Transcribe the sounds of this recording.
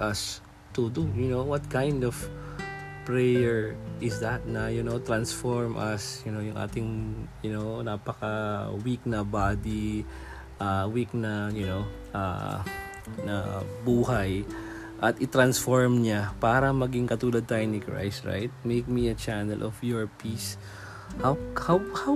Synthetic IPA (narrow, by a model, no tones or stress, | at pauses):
ʔɐs | t̪ud̪ujʊnowwɐt̪̚kãjnd̪ɔv̥ | pɹɛjɛɹʔɪsðɐt̪̚nɐjʊnowt̪ɾansfoɹmʔɐ̰sjʊnojʊŋʔa̰ːt̪ɪŋjʊnonaːpɐkɐwik̚nɐbaːd̪i | ʔawiknɐjʊnow | ʔa̰ | nɐ̰buːhɐj | ʔɐt̪ʔɪt̪ɾansfoɹmɲapaːɾɐmɐɡɪŋkɐt̪uːlɐd̪̚t̪aːjʊŋnɪkɹa̰jsɹa̰jt̪̚mejk̚miɐt͡ʃanɛlʔɔfjɔɹpiːs | hawhawha